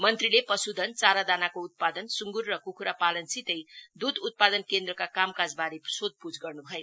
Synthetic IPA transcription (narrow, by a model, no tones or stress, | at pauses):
mʌnt̪rilepʌsud̪ʱʌnt͡saɾad̪anakout̪̚pad̪ʌnsuŋɡurːʌkukʰuɾapalʌnsit̪ʌjd̪ud̪ut̪̚pad̪ʌnkend̪rʌkakamkad͡zbaɾeprʌ̥sod̪̚pud͡zɡʌrnubʱʌjo